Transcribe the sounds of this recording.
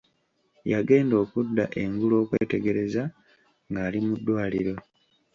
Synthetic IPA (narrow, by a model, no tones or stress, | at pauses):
jaɡe̞ːndo̞ːkudːa̰ʔe̞ŋɡulo̞ːkweːte̞ɡe̞ɾe̞za | ŋɡaːlimudːwaːlḭɾo̞